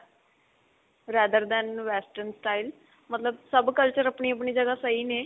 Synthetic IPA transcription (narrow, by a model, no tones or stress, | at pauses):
ɾɛːd̪əɾd̪ɛ̃nʋɛːsʈəɾnsʈaːil | mət̪ləbsəbkəlt͡ʃəɾəpɳiːəp̬ɳiːd͡ʒəɡaːsəiːneː